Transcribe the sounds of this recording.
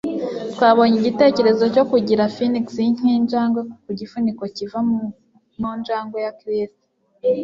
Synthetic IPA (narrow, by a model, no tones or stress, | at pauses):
twaːβo̞ɲiɟite̞ːce̞ɾe̞zo̞co̞kuɟiɾafiniksiɲ̥iːnd͡ʒaːŋɡwekkuɟifuniko̞civam | mund͡ʒaːŋɡwejakɾisto̥